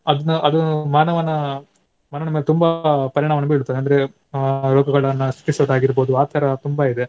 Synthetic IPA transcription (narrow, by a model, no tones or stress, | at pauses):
ɐd̪ɐnuʔɐd̪ɐmaːnɐʋɐnɐ | maːnɐʋɐnɐmeːlet̪umbɐpɐɾiɳaːmɐnɐbeːɭut̪ːɐːd̪eɐnd̪ɐɾe | ɾoːɡɐɡɐɭɐnːɐsi̥ʈisɐʋɐd̪aːɡiɾboːd̪uaːt̪ʰɐːɾɐt̪umbɐid̪e̞